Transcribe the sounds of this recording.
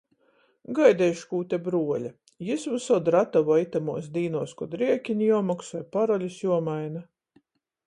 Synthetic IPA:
ɡajd̪ʲɛjʃkuːt̪ʲebɾuɔlʲa | jisvusɔd̪ɾat̪avɔit̪amuɔsd̪iːnuɔːskɔd̪ɾiɛkʲiɲʲijuɔmaksɔjpaɾɔlʲusjuɔmajna

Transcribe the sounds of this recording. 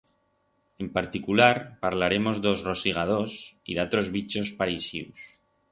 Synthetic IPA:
e̞mpaɾt̪ikulaɾpaɾlaɾe̞mo̞zd̪ozro̞siɣ̞að̞o̞sḭðat̪ɾo̞zβit͡ʃo̞spaɾisḭws

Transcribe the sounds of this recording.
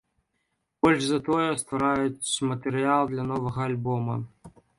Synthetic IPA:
b̥ɔlʲʐzɐt̪ɔjɛst̪vɐɾajʊt͡sʲmɐt̪ɨɾɨalˠd̪lʲɐnɔvɐɣɐɐlʲbɔmɐ

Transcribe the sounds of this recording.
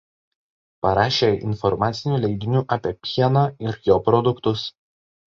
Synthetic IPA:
pɐɾɑːʃʲeːɪ̰nfɔɾmɑːt̪sʲɪnʲuːlʲɛɪd̪ʲɪnʲuːʔɐpʲɛpʲiɛnɑɪɾjoːpɾɔd̪ʊkt̪ʊs

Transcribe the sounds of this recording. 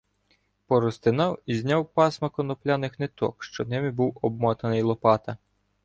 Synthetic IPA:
pɔɾɔst̪ɪnɑwizʲnʲawpɑsmɐkɔnɔplʲanɪxnɛt̪ɔ̰kʃt͡ʃɔnɛmʲibuwɔbmɔt̪ɐnɪjlˠɔpɑt̪ɐ

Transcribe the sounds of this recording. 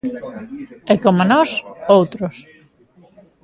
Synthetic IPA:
ɛkomonɔsowt̪ɾos

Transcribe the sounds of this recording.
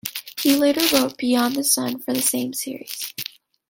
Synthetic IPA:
hileɪɾə˞ɹoʊt̚b̥iɑ̃nðɨsʌ̃nfə˞ðɨsẽɪ̃msɪɹḭz̥

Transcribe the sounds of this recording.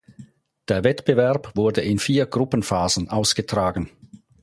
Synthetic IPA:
d̥eːɐvɛtb̥əvɛɐpv̥ʊɐdəʔɪnfiːɐɡʁʊpən̩faːzən̩ʔaʊsɡ̥ətʁ̥aːɡən̩

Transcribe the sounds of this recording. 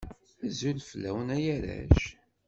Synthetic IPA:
æzulfəlːæwnæjæɾæ̰ʃ

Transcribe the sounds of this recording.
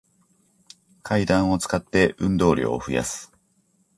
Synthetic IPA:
kʰaid̪ãɰ̃o̞t͡sɨ̥kat̪ːe̞ʔɯ̟̃nd̪o̞ːɾʲo̰ːɸɯ̟ja̰sɨ̥

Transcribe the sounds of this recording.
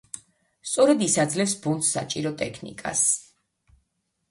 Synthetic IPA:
st̪sʼɔɾɛd̪isad̪zlɛpsbunt̪sːa̰t͡ʃʼiɾɔt̪ʼɛkʰnḭkʼa̰s

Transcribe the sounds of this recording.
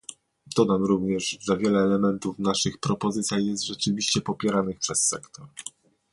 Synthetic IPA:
d̪̥ɔd̪amɾuvɲɛʐʐɛvʲjɛlɛːlɛmɛnt̪ufnaʂɘxpɾɔpɔzɘt̪sʲjajɛst̪ʐɛt͡ʂɘvʲiɕt͡ɕɛpɔpʲjɛɾanɘxpʂɛsːɛkt̪ʰɔɾ

